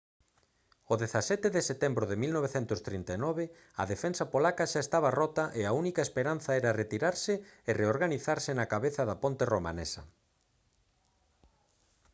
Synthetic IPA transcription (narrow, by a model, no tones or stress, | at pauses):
oðeθasɛt̪eðeset̪ɛmbɾʊðemilnoβeθɛnt̪ʊst̪ɾint̪anɔβɪ | ɐ̰ðefɛnsɐpolakaʃaest̪aβɐrɔt̪aʔeaunikaespeɾanθaɛɾaret̪iɾaɾsɪereoɾɣaniθaɾsɪnakaβeθɐðapõnt̪eroma̰nɛsɐ̰